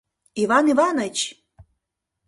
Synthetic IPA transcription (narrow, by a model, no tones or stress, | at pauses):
ivɑnivɑnət͡ɕ